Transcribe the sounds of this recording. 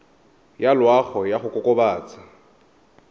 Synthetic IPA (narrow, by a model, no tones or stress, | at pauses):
jalwaχɔjaχʊkʼʊkʼʊbaːt͡sʼa